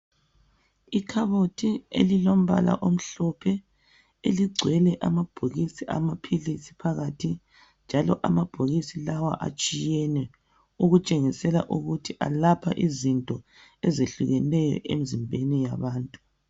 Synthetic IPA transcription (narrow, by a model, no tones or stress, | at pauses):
ikʰaβotʰiḛlilom̩βa̰la̰ʔom̩ɬɔpʰɛ | eliɡ͡ǀʱwɛlɛʔamab̥ʱoɣisiʔa̰mapʰilisi̥pʰaɣatʰi | nd͡ʒʱalɔʔamab̥ʱoɣisilawaʔa̰t͡ʃʼijɛnɛ | uɣut͡ʃʼeŋisɛla̰ʔuɣutʰiʔa̰lapʰaʔizintʼɔ | ɛzeɬuɣɛlɛjɔ̰ʔḛmizimbʱenijaβaːntʼu